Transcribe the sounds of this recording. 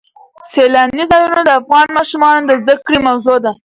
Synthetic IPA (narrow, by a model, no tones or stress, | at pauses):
selɑnizɑjunod̪əafɣɑnmɑʃumɑnod̪əzd̪akɽimawzod̪a